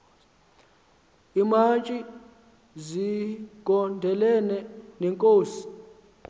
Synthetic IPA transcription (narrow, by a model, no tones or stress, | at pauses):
imat͡ʃʼi | ziɡ̥ʱɔndʱɛlɛnɛnɛŋkʼoːsi̥